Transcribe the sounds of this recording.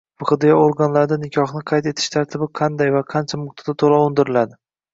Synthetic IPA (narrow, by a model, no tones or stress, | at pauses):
buχɨd̪ɪjaoɾɡanlaɾd̪anɪkʲʰɒχnɪqʰɑjt̪e̞t̪ʰɪ̥ʃt̪ʰaɾt̪ʰɪbɪqʰɑnd̪ajvaqʰɑnt͡ʃʰamʊk̚t̪ʰḁd̪at̪ʰolˠɒʊnd̪ɪɾɪlad̪ɪ